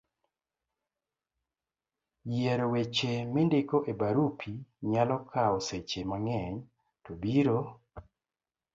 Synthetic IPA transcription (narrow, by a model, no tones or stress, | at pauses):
jeɾowet͡ʃemindekoʔebaɾupʰiɲalɔkʰaoset͡ʃemaŋɛɲ | tobiɾo